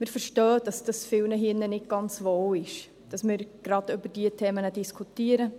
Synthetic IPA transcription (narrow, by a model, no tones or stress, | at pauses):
mɪːɾfəɾʃtœːd̥ɑsd̥ɑsfɪlnəɦɪnːənɪt̚ɡ̥ɑnt͡sʋowɪʃ | d̥ɑsmɪːɾɡ̥ɾɑdʏbəɾd̥iətʰɛːmənədiskʰutiəɾə